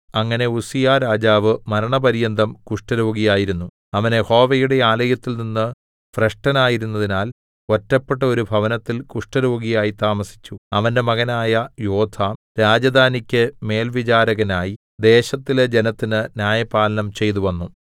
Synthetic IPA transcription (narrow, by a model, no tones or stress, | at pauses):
ɐŋːɐne̞usijaːɾaːd͡ʑaːʋɨmɐɾɐɳɐpɐɾijɐnd̪ɐmkuʂʈɐɾoːɡijaːjiɾunːu | ɐʋɐne̞ho̞ːʋɐjuɽe̞aːlɐjɐt̪ːilninːɨ | freʂʈɐnaːjiɾunːɐðinaːl | o̞tːɐpːe̞ʈːɐo̞ɾubʱɐʋɐnɐt̪ːilkuʂʈɐɾo̞ːɡijaːjit̪aːmɐsi̥t͡ɕːuɐʋɐnde̞mɐɣɐnaːjɐjoːd̪ʰʱaː | ɾaːd͡ʑɐd̪ʱaːnikʲːɨme̞ːlʋit͡ɕaːɾɐɣɐnaːji | d̪e̞ːɕɐt̪ːiled͡ʑe̞nɐt̪ːinɨnjaːjɐpaːlɐnɐmt͡ɕe̞jt̪̬uʋɐnːu